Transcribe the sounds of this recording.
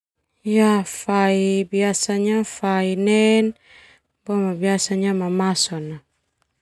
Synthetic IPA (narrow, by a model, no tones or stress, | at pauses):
ijafaibiasaɲafainɛn | bɔmabiasaɲamamasɔna